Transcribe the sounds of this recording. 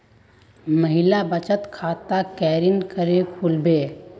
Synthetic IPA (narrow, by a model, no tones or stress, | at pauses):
məɦɪlabət͡ʃət̪kʰaːt̪akɛːɾinkəɾekʰulbeː